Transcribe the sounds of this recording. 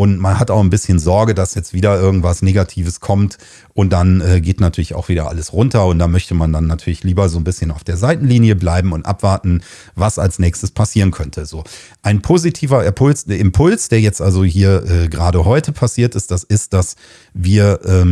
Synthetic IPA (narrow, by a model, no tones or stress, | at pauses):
ʔʊntmanhataʊxnbɪsçənzɔɐɡədasjɛt͡stv̥iːdɐʔɪɐɡŋ̩tv̥asneːɡatʰiːvəskʰɔmt | ʔʊnt̚d̥anɛːɡeːtnatʰyːɐlɪça̰ʊxv̥iːɾɐʔa̰ləsʁʊntɐʊnt̚d̥aːmœçtəmandanːatʰyːɐlɪçliːbɐzoːnbɪsçənaʊfd̥eːɐzaɪtn̩liːniəblaɪbm̩ʊntʔa̰pv̥aɐtn̩ | vasa̰lsnɛːçstəspʰasiːʁ̞ənkʰœntʰəzoː | ʔaɪnpʰoːzitʰiːvɐɪpʰʊlsɪmpʰʊlsd̥eːɐjɛt͡stʔalzoɦiːɐʔɛːɡʁaːɾəɦɔʏtəpʰasiːɐtɪstd̥asɪst̚d̥as | viːɐʔɛː